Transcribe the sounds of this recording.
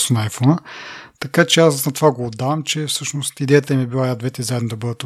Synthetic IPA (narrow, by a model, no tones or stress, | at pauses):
sonɐːjfɔnət̪ɐkat͡ʃɛasnɐt̪ovaɡoːd̪ːavɐmt͡ʃɛfsɤʃnost̪id̪ɛjət̪əmibilˠajad̪vɛt̪ɛzaɛd̪nod̪ɐbɤd̪ət̪